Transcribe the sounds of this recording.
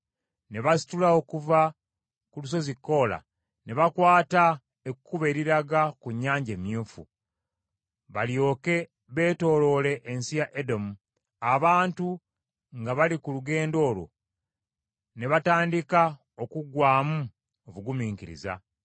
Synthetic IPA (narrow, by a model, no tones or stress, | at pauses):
ne̞βasi̥tulaokuva | kulus̬o̞zikːo̞ːla̰ | ne̞βakwaːta | ekukuβe̞ːɾiɾaɡakuɲːaːɲɟe̞ːmjuːfṵ | βaljo̞ːke̞ | βe̞ːto̞ːlo̞le̞ʔːnsijaʔedo̞mu | aβaːntu | ŋɡaβalikuluɡe̞ːndo̞ːlo̰ | ne̞βataːndika | o̞kuɡwaːmu | oβuɡumiːŋkiɾḭza̰